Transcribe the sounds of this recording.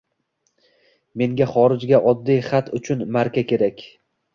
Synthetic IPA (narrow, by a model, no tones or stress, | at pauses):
me̞ŋɡʲaχɒɾɪd͡ʒɡʲaʔɒd̪ːijχat̪ʰʊt͡ʃʰʊnmaɾkʲakʲe̞ɾakʲ